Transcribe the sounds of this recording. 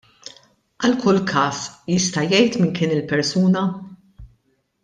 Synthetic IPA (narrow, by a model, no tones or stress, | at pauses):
ʔɐlkʊlkʰɐːsjɪst̪ɐjɛjt̪mɪnkɪːnɪlpɛɾsuːnɐ